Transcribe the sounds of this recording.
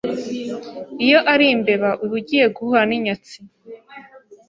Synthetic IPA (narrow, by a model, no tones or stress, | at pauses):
ijo̞ʔaɾimbe̞βaʔuβuɟije̞ɡuhaniɲat͡si